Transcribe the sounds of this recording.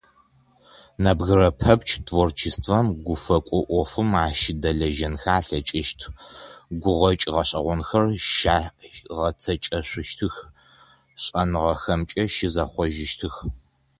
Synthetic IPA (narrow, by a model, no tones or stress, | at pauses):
nɐbɣɨrɐpʰɐpt͡ʃʰtvɔrt͡ʃʰɪstʰvɐmɡʷʊfɐkʷʼɔʔʷɔfɨmaːʃɪdɐɮɐʒɐnxaːɬɐt͡ʃʼɪʃtʰɡʷʊʁɐt͡ʃʼʁɐɕʼɐʁʷɔnxɐrʃaːʁɐt͡sʰɐt͡ʃʼɐɕʷɪʃtʰɨx | ɕʼɐnɨʁɐxɐmt͡ʃʼɐʃɪzɐχʷɔʒɪʃtʰɨx